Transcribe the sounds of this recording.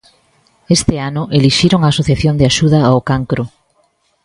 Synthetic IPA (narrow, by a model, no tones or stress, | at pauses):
est̪ɪanʊʔeliʃiɾoŋaːsoθjaθjond̪ɪaʃuðɐːokaŋkɾʊ